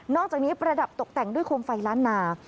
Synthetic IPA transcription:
nɔː˥˩k̚t͡ɕaː˨˩niː˦˥pɾa˧da˨˩p̚t̪o˨˩k̚t̪ɛ˨˩ŋdu˥˩əjkʰoː˧mfa˧jɾaː˦˥nːaː˧

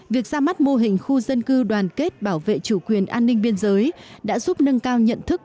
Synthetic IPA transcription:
vi˨˩ək̚zaː˧ma˦˥t̚mo˧ɦï˨˩ŋ̟xu˧zə˧nkɨ˧ɗwaː˨˩nke˦˥t̚ɓaː˧˩wvḛ˧˨t͡ɕu˧˩kwi˨˩ənʔaː˧nːï˧ŋ̟ɓi˧ənzəː˨˦jɗa̰ː˧˥zu˦˥p̚nə˧ŋkaː˧wɲə̰˧˨nt̪ʰɨ˦˥k̚

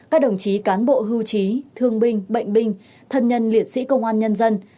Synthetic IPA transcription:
kaː˦˥k̚ɗə˨˩wŋ͡mt͡ɕi˨˦kaː˨˦nɓo̰˧˨ɦɨ˧wt͡ɕi˨˦t̪ʰɨ˧əŋɓï˧ŋ̟ɓə̰˧˨jŋ̟ɓï˧ŋ̟ | t̪ʰə˧nɲə˧nli˨˩ət̚sḭ˧˥kə˧wŋ͡mʔaː˧nɲə˧nzə˧n

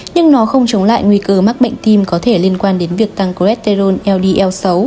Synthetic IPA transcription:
ɲɨ˧ŋnɔ˨˦xə˧wŋ͡mt͡ɕə˨˦wŋ͡mla̰ː˧˨jŋwi˧kəː˧ma˦˥k̚ɓə̰˧˨ŋ̟t̪i˧mkɔ˨˦t̪ʰe˧˩li˧ənkwaː˧nɗe˨˦nvi˨˩ək̚t̪a˧ŋko˧ɛ˦˥t̚t̪e˧zo˧nʔɛ˧wɗi˧ʔɛ˧wsə˨˦w

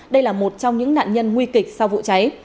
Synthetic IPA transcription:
ɗə˧jlaː˨˩mo˨˩t̚t͡ɕɔ˧wŋ͡mɲɨ̰˧˥ŋna̰ː˧˨nɲə˧nŋwi˧kï˨˩k̚sa˧wvṵ˧˨t͡ɕa˨˦j

